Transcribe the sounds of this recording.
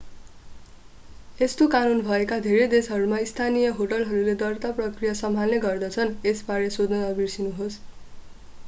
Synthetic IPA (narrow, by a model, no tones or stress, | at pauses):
est̪okanunbʱʌekad̪ʱeɾed̪esɦʌɾumaist̪ʰanijʌɦoʈʌlɦʌɾuled̪ʌrt̪aprʌkrijasʌmʱalneɡʌrd̪ʌt͡sʰʌnesbaɾesod̪ʌd̪ʌbirsinuɦos